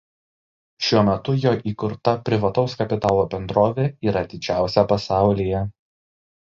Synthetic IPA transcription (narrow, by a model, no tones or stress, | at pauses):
ʃʲuɔmʲɛt̪ʊjoːʔiːkʊɾt̪ɐpʲɾʲɪʋɐt̪ɒʊskɐpʲɪt̪ɑːlˠoːbʲɛnd̪ɾoːʋʲeːiːɾɐt̪ʲɪd͡ʒʲæˑʊsʲɛpɐsɑˑʊlʲijɛ